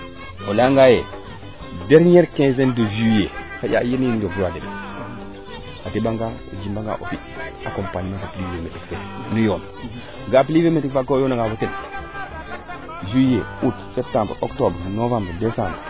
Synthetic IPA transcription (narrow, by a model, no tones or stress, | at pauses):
olaŋɡaje | deɾɲeɾkẽzendoʒujekaja̰jemjindokzewatedo | atebaŋɡao̰d͡ʒimbaŋɡa̰ʔo̰fitakompaɲimakaplivemetikfenujon | ɡap̬livemetikfakojonaɡavoten | ʒujeutsep̚tãmbɾoktobɾnovãmbɾdesãmbɾ